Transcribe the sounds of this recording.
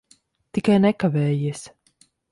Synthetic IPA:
t̪ikajnɛkavɛːjiɛs

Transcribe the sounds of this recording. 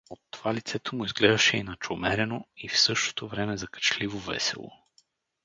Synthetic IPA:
ot̪ːov̥alit̪sɛt̪omʊizɡlɛd̪ɐʃɛinɐt͡ʃomɛɾɛnoifsɤʃt̪o̥t̪ovɾɛmɛzɐkə̥t͡ʃlivovɛ̰sɛ̰lˠo̰

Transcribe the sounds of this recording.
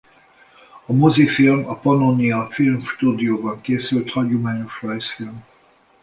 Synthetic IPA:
ɒmozifilmɒpɒnoniɒfilmʃt̪uːd̪ijoːbɒŋkeːsylt̪hɒɟumaːɲoʃrɔjsfilm

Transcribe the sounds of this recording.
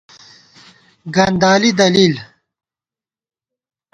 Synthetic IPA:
ɡɐnd̪aːlid̪ɐliːl

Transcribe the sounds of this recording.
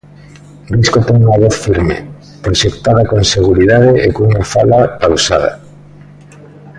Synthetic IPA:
riskot̪eŋuŋaβoθfiɾmḛ | pɾoʃek̚t̪aðakonseɣ̞uɾiðaðeʔekoŋuŋafalakawsaða̰

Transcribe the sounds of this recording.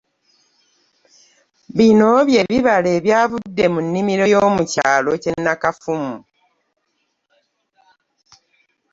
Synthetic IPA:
βino̞βje̞ːβiβale̞ːβjaːβudːe̞munːimiɾo̞jo̞ːmuca̰ːlo̞ce̞nːakafumu

